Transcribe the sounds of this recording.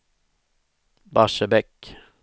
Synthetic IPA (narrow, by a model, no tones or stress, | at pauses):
baʂəbɛk